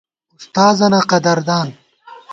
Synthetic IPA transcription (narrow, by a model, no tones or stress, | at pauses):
ust̪aːzɐnaqɐd̪ɐɾd̪aːn